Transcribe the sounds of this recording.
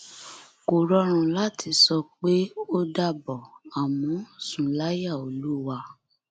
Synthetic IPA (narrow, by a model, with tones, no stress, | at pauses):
ko˨ɾɔ˧ɾ̃ã˨la˨˦tʰi˧sɔ˧k͡pe˦o˦da˧bɔ˨a˨mɔ̃˨˦˨sũ˨la˦ja˦˨o˨lu˦wa˧